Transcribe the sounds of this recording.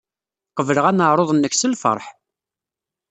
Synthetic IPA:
qəvələʁænəʕɾˤoðˤənːəçsəlfə̰ɾˤħ

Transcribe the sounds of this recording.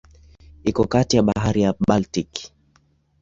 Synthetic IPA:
ikɔkatijaɓaɦaɾijaɓaltik

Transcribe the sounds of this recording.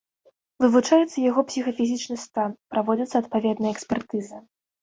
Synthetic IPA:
vɨvut͡ʂajɛt̪sːɐjaɣɔpsʲixɐfʲizʲit͡ʂnɨst̪anpɾʔavɔd͡zʲɐt̪sɐt̪̚pavʲɛd̪nɐjɐɛksʲpʲɛrt̪ɨzɐ

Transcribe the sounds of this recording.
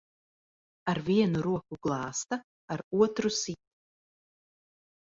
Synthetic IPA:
aɾviɛnuɾuɔkuɡ̥lˠɑːst̪a | aɾuɔt̪ɾusit̪̚ʲu̥

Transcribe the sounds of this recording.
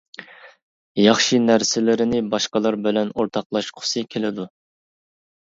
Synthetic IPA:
jɑχʃinæɾsɪlɪɾɪnɪbɑʃqɑlˠɑɾbɪlɛnoɾt̪ʰɑqlˠɑʃqʰʊ̥sɨkʲʰelɪd̪u

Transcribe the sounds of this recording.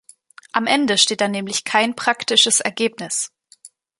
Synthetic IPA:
ʔamʔɛndəʃteːt̚d̥anɛːmlɪçkʰaɪnpʁ̥aktɪʃəsʔɛɐɡeːp̚nɪs

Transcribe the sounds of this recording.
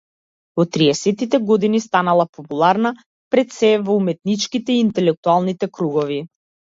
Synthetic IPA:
ɔt̪ːɾiɛsɛt̪it̪ɛɡɔd̪inist̪analˠapɔpulˠaɾna | pɾɛt̪sɛvɔumɛt̪̚nit͡ʃkit̪ɛiːnt̪ɛlɛk̚t̪ualˠnit̪ɛkɾuɡɔvi

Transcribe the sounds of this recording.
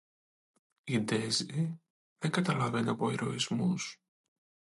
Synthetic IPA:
id̪e̞zi | ðeŋɡɐt̪ɐlɐve̞nɐpo̞eɾo̞izmus

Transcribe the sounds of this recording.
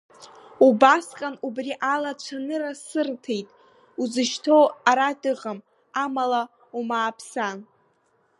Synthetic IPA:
ubasqʼanubriʔalat͡ʃʷʰanɨrasɨrtʰe̞jtʼ | uzɨʃtʰoaɾadʼɨʁam | amala | umaːpʰsan

